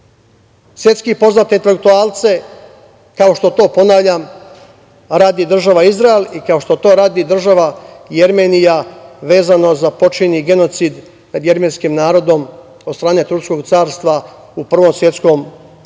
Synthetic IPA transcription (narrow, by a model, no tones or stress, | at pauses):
sʋʲje̞t̪skipo̞znaːt̪eint̪elekt̪uaːlˠt̪se̞ | kao̞ʃt̪o̞t̪o̞ːpo̞naʋʎam | ɾaːd̪id̪r̩ʒaʋaizɾaelikao̞ʃt̪ot̪o̞ːɾaːd̪id̪r̩ʒaʋaje̞ɾmenijaʋe̞ːzano̞zapo̞t͡ʃiniɡe̞no̞t̪sid̪ | nad̪je̞ɾmenskimnaːɾo̞d̪o̞m | od̪st̪ɾaːne̞t̪ɾuɾsko̞ɡt̪saːɾst̪ʋa | upr̩ʋo̞msʋje̞t̪sko̞m